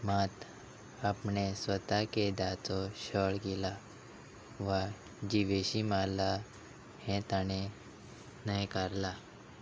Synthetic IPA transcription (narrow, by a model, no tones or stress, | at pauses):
mat̪ | apɳesʋət̪aked̪at͡sɔɕəɭɡila | ʋa | d͡ʑiʋeɕimala | hɛ̃t̪aɽ̃e | nəjkaɾla